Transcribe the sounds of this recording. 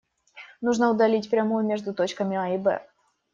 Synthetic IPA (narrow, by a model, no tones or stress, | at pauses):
nuʐnəʊd̪ɐlʲitʲpɾʲɐmujʊmʲeʐd̪ʊt̪o̞t͡ɕkəmʲɪaɪbɛ̰